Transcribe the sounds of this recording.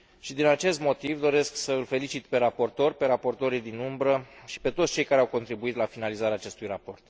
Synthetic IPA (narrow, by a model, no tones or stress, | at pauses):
ʃid̪inat͡ʃe̞st̪mo̞t̪ivd̪o̞ɾe̞sksəɨlfe̞lit͡ʃit̪pe̞ɾapo̞rt̪o̞rpe̞ɾapo̞rt̪o̞ɾijd̪inumbɾəʃi̥pe̞t̪otsʲt͡ʃe̞jkaɾeawko̞nt̪ɾibuit̪lafinalizaɾeaːt͡ʃe̞st̪ujrapo̞rt̪